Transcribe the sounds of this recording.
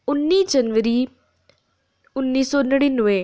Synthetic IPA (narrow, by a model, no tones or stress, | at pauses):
ʊnːid͡ʒɐnʋəɾi | ʊnːisɔːnɐɽinʊʋe